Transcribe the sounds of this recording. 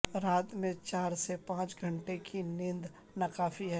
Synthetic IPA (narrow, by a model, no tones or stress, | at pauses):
ɾaːt̪mẽt͡ʃaːɾsepãːt͡ʃɡʱɐ̃ɳʈekʰinɪ̃nd̪ | nɐkaːfiɦɛː